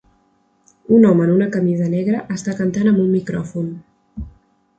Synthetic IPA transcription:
unɔmənunəkəmizənɛɣɾəʔəst̪akənt̪anəmbummikɾɔfun

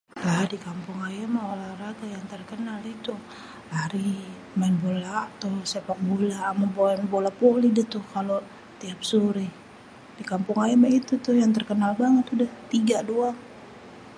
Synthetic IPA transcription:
ladikampʊŋajamaolaraɡajaŋt̪ərkənalit̪u | aɾi | maɛnbolaʔt̪ʊhsepak̚bolaʔmabombolapolidat̪ʊhkalo | t̪iap̚suɾi | d̥ikampʊŋajamait̪ut̪ʊhjaŋt̪ərkənalbaŋət̪udaht̪iɡadua

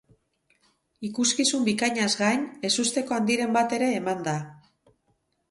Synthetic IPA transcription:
ikuskisumbikaɲazɡajne̞sust̪e̞ko̞and̪iɾe̞mbat̪e̞ɾe̞ːmand̪a

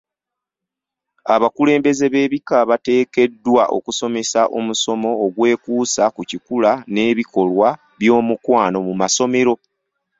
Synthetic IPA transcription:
aβakule̞ːmbe̞ze̞βe̞ːβikaβate̞ːke̞dːwaʔo̞̰kuso̞me̞saʔomuso̞mo̞ːɡwe̞ːkuːsakucikulane̞ːβiko̞lwa | βjo̞ːmukwaːno̞mumaso̞me̞ɾo̞

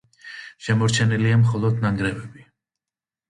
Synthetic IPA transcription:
ʃɛmɔɾt͡ʃʰɛniliamχɔlˠɔd̪naŋɡɾɛvɛbi

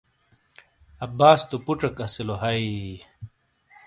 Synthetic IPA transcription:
ɐbaːst̪upuʈ͡ʂɐkɐsiloɦɐi

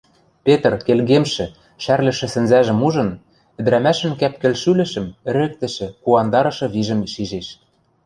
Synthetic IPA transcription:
pet̪rkelɣemʃɘ̆ | ʃærlɘ̆ʃɘ̆sɘ̆nzæʒɘ̆muʒɤ̆n | ɘ̆d̪̆ɾæmæʃɘ̆nkæp̚kɘ̆lʃylɘ̆ʃɘ̆mɘ̆ɾɘ̆k̚t̪ɘ̆ʃɘ̆kuɑnd̪ɑɾɤ̆ʃɤ̆βiʒɘ̆mʃiʒeʃ

